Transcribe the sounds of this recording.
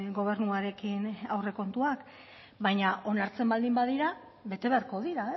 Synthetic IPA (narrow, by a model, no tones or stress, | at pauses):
ɡo̞β̞e̞ɾnuaɾe̞kinawre̞ko̞nt̪uak | bajɲao̞naɾt͡se̞mbald̪imbaðiɾa | βe̞t̪e̞β̞e̞aɾko̞ðiɾae